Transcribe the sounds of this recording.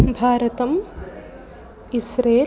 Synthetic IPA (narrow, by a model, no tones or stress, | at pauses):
bʱaːɾɐt̪ɐm | isɾeː